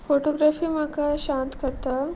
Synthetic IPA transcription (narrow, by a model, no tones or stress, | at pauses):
foʈoɡɾafiːmakaɕãnt̪kəɾt̪a